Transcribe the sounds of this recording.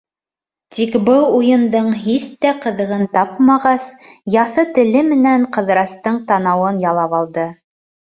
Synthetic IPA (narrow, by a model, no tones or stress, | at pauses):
t̪ʰikbɤlˠujɤ̆nd̪ɤɴɦist̪æqɤ̆ðɤ̆ʁɤnt̪ɑpmɑʁɑsjɑθɤt̪ɘ̆lɘmɘ̆næŋɴqɤ̆ðɾɑst̪ɤɴt̪ɑnɑwɤnjɑlˠɑpɑlˠd̪ɤ